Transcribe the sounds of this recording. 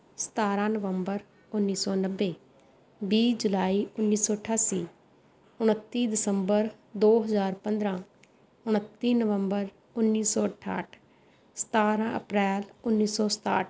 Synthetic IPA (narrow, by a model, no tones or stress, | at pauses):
sə̥t̪aːɾãːnəʋəmbəɾ | ʊnːiːsɔːnəʋːeː | biːd͡ʒʊlaːiːʊnːiːsɔːəʈʰaːsiː | ʊɽ̃ət̪ːiːd̪ɪsəmbəɾ | d̪oːɦəzaːɾpə̃nd̪ɾãː | ʊɽ̃ət̪ːiːnəʋəmbəɾ | ʊnːiːsɔːəʈʰa̰ːʈʰ | sə̥t̪aːɾãːə̰pɾɛːlʊnːiːsɔːsə̥t̪a̰ːʈ̚ʰ